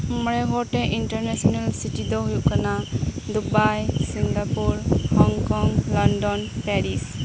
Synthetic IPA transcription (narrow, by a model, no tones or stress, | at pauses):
mɔɾeɡɔʈeʔinʈəɾnesɔnalsitid̪ɔɦujukanad̪ubajsiŋɡapuɾhɔŋkɔŋlɔndɔnpɛɾis